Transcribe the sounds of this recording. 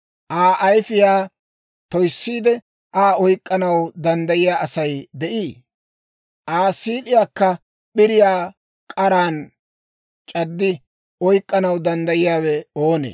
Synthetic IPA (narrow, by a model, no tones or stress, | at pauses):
ʔaːʔɐjfɪjaː | t̪ɔjsːiːd̪ɛ | ʔaːɔjkʼːɐnɐwd̪ɐnd̪ɐjɪjaːɐsɐjd̪ɛʔiː | ʔaːsiːlɪjaːkːɐ | ɓɪɾɪjaː | kʼɐɾaːn | t͡ʃʼɐd̪ːɪ | ʔɔjkʼːɐnɐwd̪ɐnd̪ɐjɪjaːwɛo̞ːnḛː